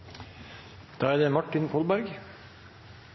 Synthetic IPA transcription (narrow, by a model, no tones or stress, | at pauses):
d̪̥ɑːæːɾd̪eːmɑʈːɪnkʰɔlbæɾɡ